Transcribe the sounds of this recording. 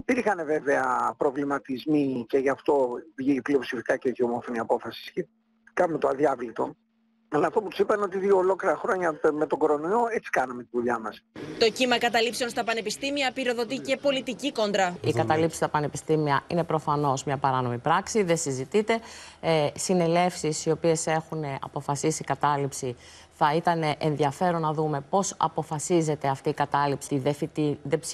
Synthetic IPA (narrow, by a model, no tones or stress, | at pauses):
piɾxɐne̞ve̞ve̞ɐpɾo̞vlimɐt̪izmice̞ʝɐft̪o̞vʝipliopsifikɐceʝio̞mo̞foniɐpo̞fɐsi̥sce | kɐnmet̪oɐðjɐvlit̪o̞̰ | ɐlɐːft̪o̞put̪u̥sipɐneo̞t̪iðio̞ːlo̞kliɾɐxɾo̞ɲɐme̞t̪oɡoɾo̞nioet͡si̥kɐnɐme̞t̪ivuʎɐmɐst̪o̞cimɐkɐt̪ɐlipse̞o̞nst̪ɐpɐnepist̪imiɐpiɾo̞ðo̞t̪ice̞po̞lit̪iciko̞nd̪ɾɐikɐt̪ɐlipsi̥st̪ɐpɐnepist̪imiɐʔine̞pɾo̞fɐno̞zmɲɐpɐɾɐno̞mipɾɐksiðe̞sizit̪it̪e̞ | sine̞le̞fsisio̞pie̞se̞xuneɐ̰po̞fɐsisikɐt̪ɐlipsi | θɐit̪ɐne̞ʔenðiɐfe̞ɾo̞nːɐðume̞po̞sɐ̰po̞fɐsize̞t̪e̞ɐft̪iːkɐt̪ɐlipsiðefit̪iðe